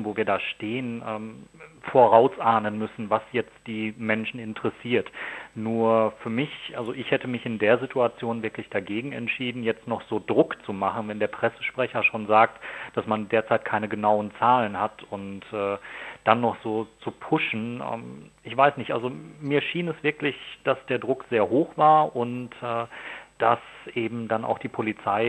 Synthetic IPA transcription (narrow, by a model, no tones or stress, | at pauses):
voːviːɐdaːʃteːənʔɛːmfoːɐʁaʊsʔaːnənmʏsn̩vasjɛt͡st̚d̥iːmɛnʃn̩ɪntʰəʁɛsiːɐtnuːɐfyːɐmɪçʔalzoʔɪçhɛtəmɪçɪndeːɐzitʰuat͡sjoːnvɪɐklɪçd̥aɡeːɡŋ̩ɛ̰ntʃiːdn̩jɛt͡stnɔχz̥oːdʁʊkt͡sumaχn̩vɛndeːɐpʁ̥ɛsə̥ʃpʁ̥ɛçɐʃoːnzaːk̚td̥asmandeːɐt͡saɪt̚kʰaɪnəɡənaʊənt͡saːlənhatʰʊntʔɛːd̥anːɔχz̥oːt͡supʰʊʃn̩ʔɛ̰ːmɪçv̥aɪsnɪçtʔa̰lzomiːɐʃiːnɛsv̥ɪɐklɪçd̥asd̥eːɐdʁʊkz̥eːɐɦoːxv̥aːɐʔʊntʔɛːd̥asʔeːbm̩dana̰ʊxd̥iːpʰolit͡saɪ